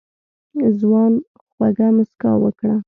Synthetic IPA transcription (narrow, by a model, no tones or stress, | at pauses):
zwɑn | xwaɡamʊska̰wwəkɽa